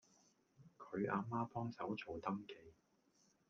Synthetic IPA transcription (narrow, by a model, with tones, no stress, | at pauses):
kʰɵ˨˧ɥa̰ː˨˧maː˥pɔː˥ŋsɐ˨˥wt͡sʰo˨˩wt̪ɐ˥mke˨˧j